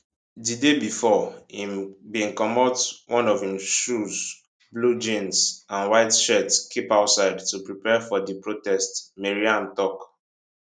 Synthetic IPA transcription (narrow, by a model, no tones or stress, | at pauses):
didebifɔĩmbĩŋkɔ̃mɔtwʔɔ̃nɔvhĩmʃuz | blud͡ʒĩnsãnwaɪtʃɛtkʰipaʊtsaɪdtupɹipɛfɔdipɹotɛstmeɹiãmtɔk